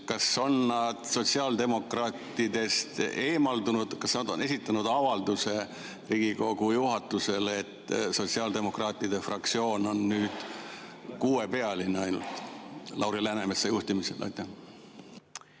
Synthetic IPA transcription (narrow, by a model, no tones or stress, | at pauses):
kɑso̞nːɑd̪̥so̞t̪ʲsiɑːld̪e̞mo̞krɑːt̪ːˑid̪e̞st̪e̞ːmɑld̪unud̪̥kɑsnɑd̪o̞ne̞sit̪ːˑɑnud̪̥ɑvɑld̪̥use̞ | riːɡ̥iko̞ɡ̥ujuɦɑt̪ːˑuse̞le̞t̪ːso̞t̪siɑːld̪e̞mo̞krɑːt̪ːˑid̪̥e̞frɑkt̪sio̞ːno̞nːyːd̪̥ | kuːe̞pe̞ɑlineɑjnṵlt̪ˑlɑwɾilænemesːejuht̪imise̞̰lʔo̰jt̪ːˑe